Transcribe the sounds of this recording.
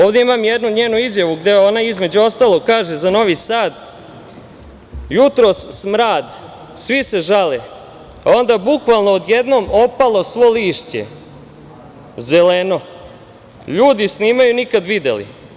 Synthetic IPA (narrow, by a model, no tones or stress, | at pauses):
oːʋd̪e̞imaːmjed̪nuɲeːnuizjaʋuɡd̪eo̞naizme̞d͡ʑuo̞st̪aːlˠo̞ɡkaːʒe̞zano̞ʋisaːd̪ | jut̪ɾo̞sːmɾaːd̪ | sʋise̞ʒale | ao̞nd̪abukʋalˠnoːd̪jed̪no̞ːmo̞palˠo̞sʋo̞liːʃt͡ɕḛ | ze̞leno̞ | ʎuːd̪isniːmajunikad̪ʋid̪ḛlḭ